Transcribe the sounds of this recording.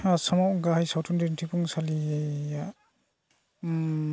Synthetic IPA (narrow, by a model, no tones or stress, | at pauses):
asamawɡaɦajsawtʰundintʰipʰuŋsalia